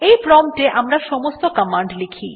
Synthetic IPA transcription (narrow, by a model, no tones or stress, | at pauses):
ejpɾɔmʈeʔamɾaʃɔmost̪okamaɳɖlekʰḭ